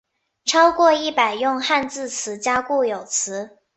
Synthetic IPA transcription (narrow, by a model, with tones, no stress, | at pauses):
ʈ͡ʂʰɑ˥ʊkwɔ˥˧i˥˩pa˨˩ɪjʊ˥˧ŋxa˥˧nt͡sɹ̩˥˩t͡sʰɹ̩˧˥t͡ɕja˥ku˥˩jo˨˩ʊt͡sʰɹ̩˧˥